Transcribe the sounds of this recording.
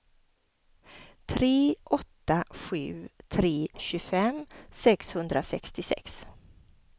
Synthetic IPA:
t̪ʰɾeːʔɔt̪ːaɧʉ̟ːt̪ʰɾeːɕɵfɛmsɛkshɵnd̪ɾasɛkst̪ɪsɛ̰ks

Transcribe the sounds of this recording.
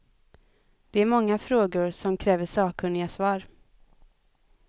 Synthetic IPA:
d̪̥ɛæɾmɔŋːafɾoːɡʊɾsɔmkʰɾɛːvəsɑːkʰɵnɪɡasvɑːɾ

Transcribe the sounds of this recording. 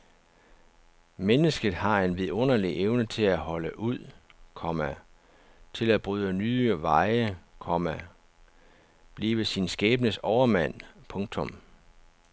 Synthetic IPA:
menəsɡ̥ð̩ˠhɑ̈e̝nʋiðˠɔ̽n̰ɐliʔeʊnət͡sʰe̝læhɒ̽ləʔuð̰ˠkʰɒmæ | t͡sʰe̝læb̥ʁyːðˠənyːʋɑ̈ɪəkʰɒmæ | b̥liːʋəsinsɡ̥ɛːb̥ənəsɒʊɐmæn̰pʰɔ̽ŋ̥t͡sʰɔ̽m

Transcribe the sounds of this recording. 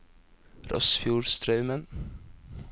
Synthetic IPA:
ɾɔ̰sfjuːɹst̪ɾœʉmən

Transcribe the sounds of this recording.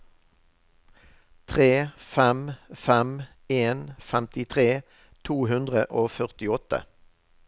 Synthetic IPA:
t̪ʰʁeːfɛmfɛm | eːnfɛmt̪ɪt̪ʰʁeː | t̪ʰuːhʉnd̪ʁəʔoːfœʁt̪ɪɔt̪ə̰

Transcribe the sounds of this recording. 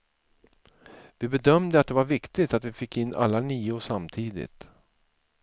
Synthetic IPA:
vɪbɛd̪œmd̪əat̪̚d̪ɛvaɾvɪkt̪ɪt̪at̪vɪfɪkːɪnːʔa̰lːaniːʊʂamt̪ʰiːd̪ɪ̰t̪

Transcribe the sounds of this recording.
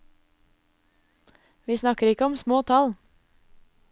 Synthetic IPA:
ʋiːsnɑkəɾɪkəɔmsmoːt̪ʰɑl

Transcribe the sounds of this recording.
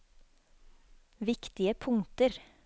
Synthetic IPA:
ʋɪkt̪ɪəpʰʊŋt̪əɾ

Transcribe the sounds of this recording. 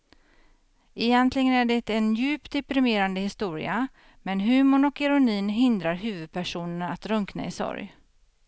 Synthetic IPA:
ʔɛjɛnt̪lɪɡənæɖɛt̪ɛnjʉ̟ːpt̪̚d̪ɛpɾɪmeːɾand̪əhɪst̪uːɾɪ̰a | mɛnɦʉ̟ːmʊɳɔkɛɾʊniːnɦɪnd̪ɾaɾɦʉ̟ːvɵd̪̚pʰæʂuːnənat̪ɾɵŋkna̰ɪsɔ̰ɾj

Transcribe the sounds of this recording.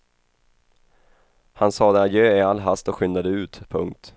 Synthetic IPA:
hansɑːd̪ɛajøːɪalːɦast̪ɔkɧʏnd̪ad̪əʉ̟ːt̪pʰɵŋk̚t̪

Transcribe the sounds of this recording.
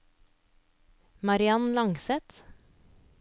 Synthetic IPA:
mɑɾɪɑnlɑŋsɛt̪

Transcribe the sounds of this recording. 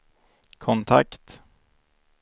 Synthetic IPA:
kʰɔnt̪ʰa̰kt̪

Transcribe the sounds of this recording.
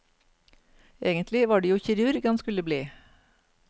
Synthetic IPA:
ʔeːɡənt̪ʰlɪʋɑːɖiːjuːçɪɾʉːɾɪɡɑnskʉləbliː

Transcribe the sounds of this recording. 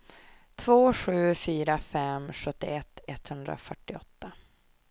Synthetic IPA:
t̪ʰvoːɧʉ̟ːfyːɾafɛmɧɵt̪ːɪ̰ɛt̪ʰːɛt̪ːhɵnd̪ɾa̰fœʈːɪɔt̪ːa

